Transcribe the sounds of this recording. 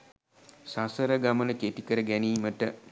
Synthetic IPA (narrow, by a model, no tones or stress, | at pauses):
sasəɾəɡamənəketikəɾəɡæniːməʈə